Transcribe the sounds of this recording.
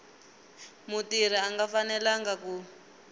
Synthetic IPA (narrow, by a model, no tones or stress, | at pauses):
mutiɾ̤iaŋɡafanɛlaŋɡaku